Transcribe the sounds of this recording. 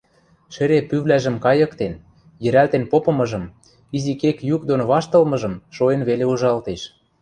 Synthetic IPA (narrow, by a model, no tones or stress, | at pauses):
ʃĕɾepyβlæʒə̆mkɑjɤ̆kt̪en | jɘ̆ɾælt̪enpopɤ̆mɤ̆ʒɤ̆m | izikekjukd̪onoβɑʃt̪ɤ̆lmɤ̆ʒɤ̆mʃoenβeleuʒɑlt̪eʃ